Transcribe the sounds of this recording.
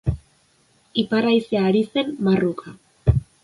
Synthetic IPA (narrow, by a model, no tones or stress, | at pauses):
ipaɾajseaːɾise̞mmarukʰa